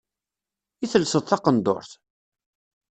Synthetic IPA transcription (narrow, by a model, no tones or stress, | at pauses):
iθəlsəðˤθɑqənd̪o̰ɾθ